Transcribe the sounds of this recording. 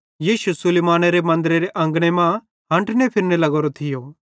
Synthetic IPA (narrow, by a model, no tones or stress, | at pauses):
jiːʃusʊleːmaːñeɾemɐ̃nd̪ɾeɾeʔɐ̃ŋɡɽ̃emã | ɦɐ̃ɳʈʰnepʰɪɾnelɐɡoːɾot̪ʰɪjo